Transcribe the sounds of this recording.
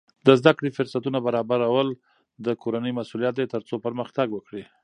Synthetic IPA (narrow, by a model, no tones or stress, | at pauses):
d̪əzd̪akɽifʊɾsat̪unabaɾɑbaɾawəl | d̪əkʰoɾanəjmasulijat̪̚d̪et̪əɾt͡sopəɾməxt̪aɡwəkɽi